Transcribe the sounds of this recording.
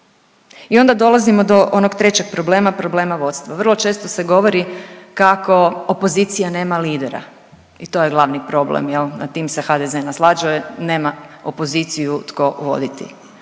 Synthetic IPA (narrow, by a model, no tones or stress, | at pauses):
io̞nd̪ad̪o̞lˠazimo̞d̪o̞ʔo̞noɡt̪ɾe̞t͡ɕe̞ɡ̥̚pɾo̞ble̞ːmapɾo̞ble̞ːmaʋo̞t̪st̪ʋaʋr̩lˠo̞t͡ʃe̞ːst̪oseɡo̞ʋo̞ɾikako̞opo̞ziːt̪sijane̞ːmaliːd̪eɾa̰ | it̪o̞ːjeɡlˠaʋnipɾo̞blḛmjelnat̪iːmse̞xad̪ezenaslˠaːd͡ʒujene̞ːmaopo̞zit̪sijut̪ko̞ʋo̞̰d̪it̪ḭ